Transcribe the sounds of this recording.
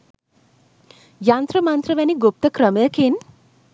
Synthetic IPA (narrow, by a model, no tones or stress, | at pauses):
jaːnt̪ɾɐmant̪ɾɐʋɐniɡop̚t̪ɐkɾɐmɐjɐkeːn